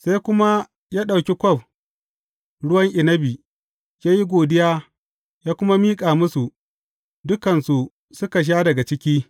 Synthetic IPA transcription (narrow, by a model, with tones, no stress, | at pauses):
sa˦jkʷʊ˦ma˦ | jaː˦ɗa˨wkʲi˦kʷɔ˦˨b̚ | ɽʊ˦wɐ˦ŋʔɪ˨nɐ˦bi˨ | jʲaː˦ji˦ɡʷoː˨dɪ˦jaː˦ | jaː˦kʷʊ˦ma˦miː˦kʼaː˨mʊ˦su˨ | dʊ˦kɐ˨nsu˨ | sʊ˦ka˨ʃ̬aː˦dɐ˨ɡa˨t͡ʃɪ˦kʲiː˦